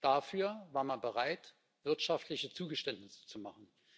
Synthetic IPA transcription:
d̥afyːɐvaːɐmanbəʁaɪt | v̥ɪɐtʃaftʰlɪçət͡suːɡəʃtɛntnɪsə̥t͡sumaχn̩

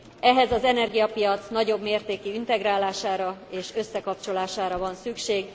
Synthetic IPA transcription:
ɛɦɛzɒzɛnɛrɡijɒpijɒt̪snɒɟo̞bmeːrt̪eːkiint̪ɛɡraːlaːʃaːɾɒeːʃø̞sːɛkɒpt͡ʃo̞laːʃaːɾɒvɒnsykʃeːɡ

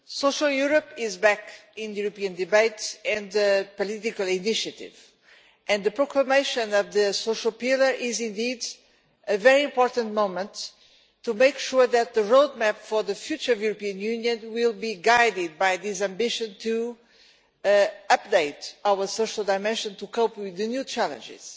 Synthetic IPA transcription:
soʃəlˠjuɹəpɪzbækɪ̃nɨjuɾɨpĩɨ̃nd̪ɨbeɪtɨ̃nðɨpɔlitɪkəlˠɪniʃɨtɪ̰v | ʔɨ̃nðɨpɹɔkləmeɪʃɨ̃nʌvðɨsoʃəlˠpɪlˠə˞ʔɪzɪ̃nd̪id | ɨvɛɹiɪ̃mpɔɹtə̃ntmõʊ̃mə̃ntʰː | umeɪkʃuɹðɨt̪̚ðəɹoʊd̪̚mɛpfɔ˞ðɨfjut͡ʃə˞ʌvjuɾəpiɨ̃njʉnjɨ̃nwilˠbiɡajdɪd̪̚bajðizæ̃mbɪʃɨ̃ntʰu | ʌp̚d̪eɪtawə˞soʃəlˠd̪aɪmɛ̃nʃɨ̃nt̪ukopwiðɨnjut͡ʃælˠə̰̃nd͡ʒɪ̰z̥

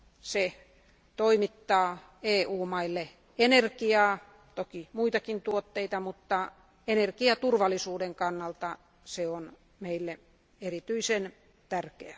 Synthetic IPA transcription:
se | t̪oimit̪ːɑː | eːuːmɑilːe | enerkiɑː | t̪okimuit̪ɑkint̪uot̪ːeit̪ɑmut̪ːɑ | enerkiɑt̪urʋɑlːˑisuːdeŋkɑnːɑlt̪ɑ | seon | meilːe | erit̪yisen | t̪ærkḛæ

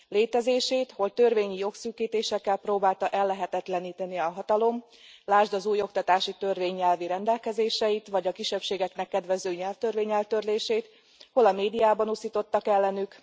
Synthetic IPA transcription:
leːt̪ɛzeːʃeːt̪ho̞lt̪ø̞rveːɲijo̞ksyːkːiːt̪eːʃɛkːɛlproːbaːlt̪ɒʔɛlːɛɦɛt̪ɛt̪lɛniːt̪ɛniɒɦɒt̪ɒlo̞m | laːʒd̪ɒzuːjo̞kt̪ɒt̪aːʃit̪ø̞rveːɲːɛlviɾɛnd̪ɛlkɛzeːʃɛjit̪ʋɒɟɒkiʃɛpʃeːɡɛknɛkːɛd̪ʋɛzøːɲɛlft̪ørveːɲɛlt̪ø̞rleːʃeːt̪ | ho̞lɒmeːd̪ijaːbɒnusiːt̪o̞t̪ːɒkɛlːɛnyk

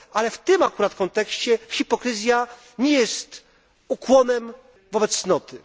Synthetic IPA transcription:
alɛft̪ɘmakuɾat̪kɔnt̪ɛkɕt͡ɕɛxʲipɔkɾɘzʲja | ɲɛjɛst̪ | ukwɔnɛm | vɔbɛt̪ssːnɔt̪ɘ

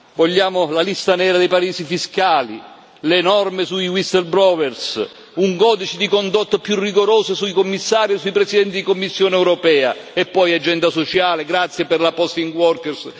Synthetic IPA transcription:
voʎːaːmʊlalist̪anɛːɾad̪ɛjpaɾiːsifiskaːlḭ | lenɔrmɪsuiwist̪elbɾɔwɛrs | uŋɡɔːd̪it͡ʃid̪ikond̪ot̪ːopjurːiɡoɾoːsesuikomːisːaːɾjesːuipɾɛsid̪ɛnt̪id̪ikomːisːjoːneɛwɾɔpɛːaɛpːɔjad͡ʒɛnd̪asot͡ʃaːleɡɾat̪sːjepɪrlapɔst̪iŋɡwɔrkɛrs

